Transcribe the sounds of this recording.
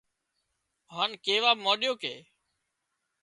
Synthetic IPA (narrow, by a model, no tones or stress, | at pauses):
ɦaːnkeːʋaːmoːɗɪjoːkḛː